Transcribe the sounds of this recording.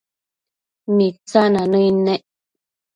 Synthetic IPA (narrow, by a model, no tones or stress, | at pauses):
mit͡sananəinɛʔ